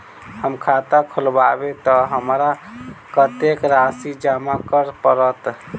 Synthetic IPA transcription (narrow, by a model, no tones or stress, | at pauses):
həmkʰat̪akʰulbabet̪ɔɦəmɾakət̪ekɾasid͡ʒamakəɾpəɾət̪